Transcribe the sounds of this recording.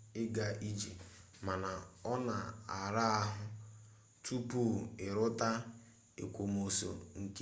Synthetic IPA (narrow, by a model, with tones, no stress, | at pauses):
ɪ˦ɡa˦ʔi˦d͡ʒḭ˨ | ma˨na˨ɔ˦na˨a˨ɾa˦a˦ɦʊ˦ | tʰu˦pu˦˨ɪ˨ɾʊ˦ta˦ | ḛ˨kʷo˨mo˨so̰˨ŋ̩˨ke˦